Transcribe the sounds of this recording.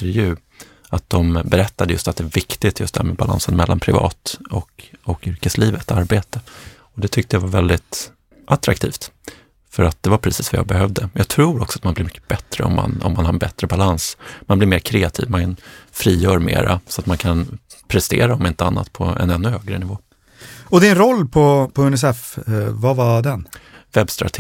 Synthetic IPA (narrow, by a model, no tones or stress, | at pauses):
ɾjʉ̟ː | at̪̚d̪ɔmbɛɾɛt̪ːad̪əjɵ̰st̪at̪̚d̪ɛæɾvɪkt̪ɪt̪jɵst̪ɛhæ̰ːmɛbala̰nsənmɛlːa̰npʰɾɪvɑ̰ːt̪ɔkɔkʏɾkəsliːvət̪aɾbeːt̪ə | ɔd̪ɛt̪ʰʏk̚t̪əjavaɾvɛld̪ɪt̪ | ʔat̪ɾa̰k̚t̪ʰiːft̪ | fœɾat̪̚d̪̥ɛvaɾpʰɾɛsiːsvaja̰ːbɛhœvd̪əjʔɑːɡt̪ʰɾuːɾɔksɔat̪manblɪɾmʏkːə̥bɛt̪ɾə̰ɔ̰mːa̰nɔ̰mːanhaɾbɛt̪ɾəbalansmanblɪɾmeːɾkʰɾeːat̪ʰḭːvmankʰanfɾiːjœːɾmḛːɾa̰sɔat̪mankʰanpʰɾɛst̪ḛːɾaɔmɪnt̪əanːa̰t̪pʰɔ̰ɛ̰nɛnːɵhøːɡɾənɪvoː | ɔd̪ɪnɾɔlːpʰɔpʰɔɵnɛs̬ɛfvavad̪ɛnvɛbst̪ɾa̰ʈ̪ʰː